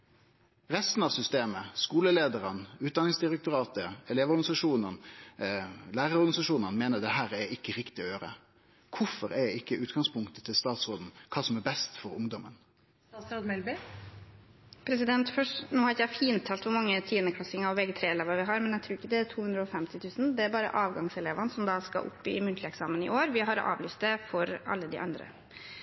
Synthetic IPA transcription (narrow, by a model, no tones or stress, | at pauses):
ɾɛst̪n̩ɑʋsʏst̪eːməskuːləleːd̪əɾənʉːt̪̚d̪ɑnɪŋsd̪ɪɾɛk̚t̪ʊɾɑːt̪əɛleːʋɔɾɡɑnɪsɑʂuːnən | læːɾəɾɔɾɡɑnɪsɑʂuːnənmeːnəd̪ɛɦæːɾɛɪkːəɾɪkt̪ɪɔjøːɾə̰ | kʰʊfɔɾɛɪkːəʉːt̪ɡɑŋspʰʊŋkt̪ət̪ʰɪlst̪ɑːt̪sɾoːd̪n̩kʰɑːsɔmɛbɛst̪fɔɾʊŋd̪ɔmən | ɑt̪sɾoːd̪mɛlbɪ | pʰɾɛsɪd̪ɛnt̪fœʂʈnoːhɑɾɪkːjæɪfiːnt̪ʰːɑːlt̪ʋʊɾmɑŋːət̪ʰiːənəkʰlɑsɪŋɑɾɔʋɛɡət̪ʰɾeːleːʋɑɾʋɪɦɑɾmɛnjæt̪ʰɾuːɪkːəd̪ɛæɾt̪ʰuːhʉnd̪ɾəɔfɛmt̪ɪt̪ʰʉːsn̩d̪ɛæɾbɑːɾə̰ʔɑːʋɡɑŋsɛleːʋɑnəsɔmd̪ɑskɑ̰ʔʊ̰pːɪ̰mʉnt̪lɪɛksɑːmənɪ̰ʔoːɾʋɪɦɑɾʔɑ̰ːʋlyːst̪d̪ɛfɔɾɑ̰lːəd̪ɪ̰ʔɑ̰nd̪ɾə̰